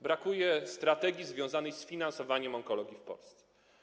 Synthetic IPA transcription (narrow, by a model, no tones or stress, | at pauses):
bɾakujɛst̪ɾat̪ɛɡʲizvʲjɔ̃w̃zanɛjsfʲinansɔvaɲɛmɔŋkɔlɔɡʲifpɔ̰lst̪sɛ̥